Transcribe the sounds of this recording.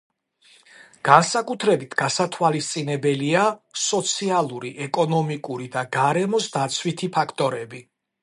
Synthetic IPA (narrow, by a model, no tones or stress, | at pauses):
ɡ̥ansakʼut̪ʰɾɛbit̪ʰɡ̥asat̪ʰwalist̪sʼinɛbɛliasɔt̪sʰialˠuɾiʔɛkʼɔnɔmikʼuɾid̪aɡaɾɛmɔsd̪at̪sʰwit̪ʰipʰakʰt̪ʼɔɾɛbi